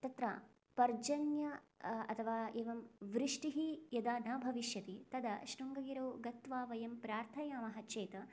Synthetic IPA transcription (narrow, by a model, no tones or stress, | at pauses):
t̪ɐt̪ɾɐ̰ | pɐɾd͡ʒɐnjɐɐ̰t̪ʰɐʋaːeːʋɐmʋɾɪʂʈiɦijɐd̪aːnɐːbʱɐʋiʃjɐt̪it̪ɐd̪ɐʃɾuŋɡɐɡiɾɐwɡɐt̪ʋaːʋɐjɐmpɾaːɾt̪ʰɐjaːmɐɦɐt͡ʃeːt̪ɐ